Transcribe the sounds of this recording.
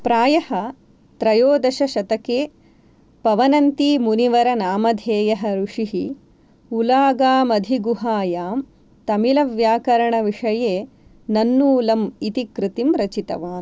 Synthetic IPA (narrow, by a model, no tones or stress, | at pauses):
pɾaːjɐhɐ | t̪ɾɐjoːd̪ɐʃɐʃɐt̪ɐkeː | pɐʋɐnɐnt̪imuniʋɐɾɐnaːmɐd̪ʱeːjɐɦɐɾuʂiɦi | ulaːɡaːmɐd̪ʱiɡuɦaːjaːm | t̪ɐmilɐʋjaːkɐɾɐɳɐʋiʂɐjeː | nɐnːuːlɐmit̪ikɾɪt̪imɾɐt͡ʃit̪ɐ̰ʋaːn